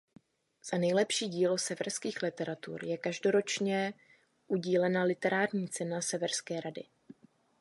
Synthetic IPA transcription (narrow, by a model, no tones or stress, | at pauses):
z̥anɛjlɛpʃiːɟiːlo̞sɛvɛɾskiːxlɪt̪ɛɾat̪ṵːɾjɛkaʒdo̞ɾo̞t͡ʃɲɛ | ʔuɟiːlɛnalɪt̪ɛɾaːɾɲiːt͡sɛnasɛvɛɾskɛːɾadɪ̰